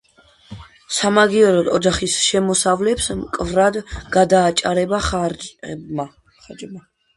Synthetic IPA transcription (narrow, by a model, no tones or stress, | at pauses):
samaɡiɔɾɔd̪ɔd͡ʒaχisʃɛmɔsavlɛpsmkʼvɾad̪ɡ̥ad̪aːt͡ʃʼaɾɛbaχad͡ʒbma | χad͡ʒma